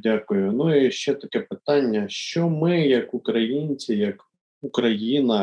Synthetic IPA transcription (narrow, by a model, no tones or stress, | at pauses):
dʲakʊjʊnuiʃt͡ʃɛt̪ɐkɛpɪt̪ɑnʲːɐʃt͡ʃɔmɪjɐkukɾɐjinʲt͡sʲijɐk | ukɾɐjinɐ